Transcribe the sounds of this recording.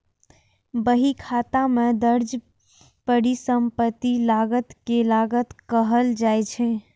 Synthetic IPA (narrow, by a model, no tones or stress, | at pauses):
bəɦikʰaːt̪amẽd̪əɾd͡ʒ | pəɽisəmpət̪ːilaːɡət̪kelaːɡət̪kəɦəld͡ʒaːet͡ʃʰɛ̃